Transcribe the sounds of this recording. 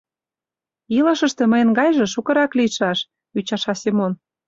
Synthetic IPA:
ilɤ̆ʃə̆ʃt̪ĕmə̆jenɡɑjʒĕʃukɤ̆ɾɑkliʃɑʃ | yt͡ɕɑʃɑsʲemon

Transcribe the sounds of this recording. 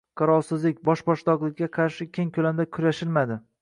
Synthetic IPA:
qʰɑɾɒlˠsɪzlɪk̚ʲbɒʃbɒʃd̪ɒqlˠɪkʲːaqʰɑɾʃɪkʲʰeŋkʲʰɵlamd̪akʲʰʊɾaʃɪlmad̪ɪ

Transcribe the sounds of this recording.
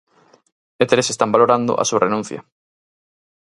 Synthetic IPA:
et̪ɾesest̪ambaloɾand̪ʊ̰ʔa̰surenũn̟θjɐ̰

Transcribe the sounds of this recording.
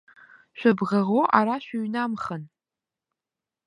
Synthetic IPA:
ʃʷɐbʁɐʁoʔaɾaːʃʷʊɥnaːmχən

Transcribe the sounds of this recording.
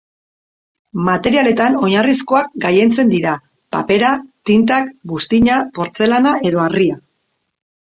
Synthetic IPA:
mat̪e̞ɾiale̞t̪ano̞ɲarisko̞ak̚ɡaje̞nt͡se̞nd̪iɾa | pape̞ɾat̪int̪̬akbust̪iɲapo̞ɾt͡se̞lanaʔe̞ðo̞aria

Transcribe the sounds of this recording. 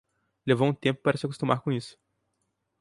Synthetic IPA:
levowũt̪ẽmpʊ̥paɾɐsɪakost̪umaɾkõisʊ̥

